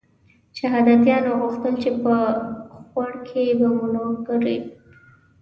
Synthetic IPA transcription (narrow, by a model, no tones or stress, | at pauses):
ʃaɦɑd̪at̪jɑnoɣuxt̪əlt͡ʃepəxwaɽkʰebamʊnokaɾi